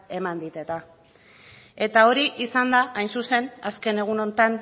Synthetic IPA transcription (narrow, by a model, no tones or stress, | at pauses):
e̞mand̪it̪e̞t̪a | e̞t̪ao̞ɾiʔisand̪aʔajnsuse̞naske̞ne̞ɣ̞uno̞nt̪an